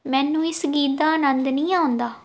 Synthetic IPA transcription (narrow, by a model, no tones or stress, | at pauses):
mɛ̃ːnũːɪsɡiːt̪̚d̪aːənənd̪nĩːaːʊ̃nd̪aː